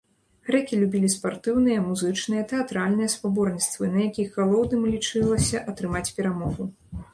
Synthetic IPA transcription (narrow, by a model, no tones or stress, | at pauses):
ɣɾɛkʲilʲubʲilʲispart̪ɨwnɨjɐmuzɨt͡ʂnɨjɐt̪ɛat̪ɾalʲnɨjɐspabɔrnʲit̪st̪vɨnɐjakʲixːalˠɔwd̪nɨmlʲit͡ʂɨlˠɐsʲɐʔɐt̪ɾɨmat͡sʲpʲɛɾamɔɣu